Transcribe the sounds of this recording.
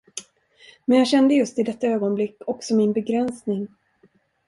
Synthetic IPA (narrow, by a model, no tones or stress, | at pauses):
mɛnjaːɡɕɛnd̪əjɵst̪ɪd̪ɛt̪ːaøːɡɔnblɪkːɔksɔmɪnbɛɡɾɛnsnɪŋ